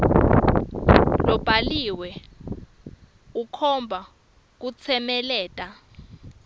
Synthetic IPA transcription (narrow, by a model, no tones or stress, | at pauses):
lɔb̥ʱaliwɛ | ukʰɔmbʱa | k̬ut͡sʰɛmɛlɛːtʼa